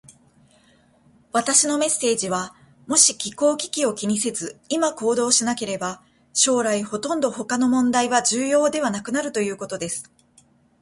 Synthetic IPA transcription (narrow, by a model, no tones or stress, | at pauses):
βat̪aɕino̞me̞sːe̞ːʑiβa | mo̞ɕikʲiko̞ːkʲi̥kʲio̞kʲiɲ̟ise̞zɨimako̞ːd̪o̞ːɕinake̞ɾe̞ba | ɕo̞ːɾaiho̞t̪õ̞nd̪o̞ho̞kano̞mõ̞nd̪aiβaʑɨːjo̞ːd̪e̞βanakɯ̟naɾɯ̟t̪o̞jɯ̟ːko̞t̪o̞d̪e̞sɨ̥